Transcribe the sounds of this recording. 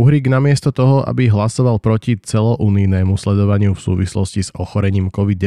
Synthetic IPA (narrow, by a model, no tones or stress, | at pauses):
uɦɾiːɡnamɪɛst̪ɔt̪ɔɦɔʔa̰biɦlasɔʋalpɾɔcit͡sɛlɔʔuːninɛːmuslɛd̪ɔʋaɲɪufsṵːʋislɔscizɔxɔɾɛɲiːmkɔʋid̪̚